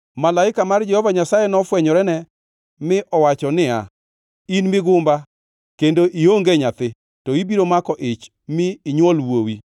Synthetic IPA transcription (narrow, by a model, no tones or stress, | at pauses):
malaɪkamard͡ʒɛhɔvaɲasajɛnɔfwɛɲɔɾɛnɛ | mɪʔɔwat͡ʃɔnɪa̰ | inmɪɡʊmba | kendoʔioŋɡeɲat̪ɪ | tɔibiɾomakɔʔɪt͡ʃ | mɪːɲwɔlwowi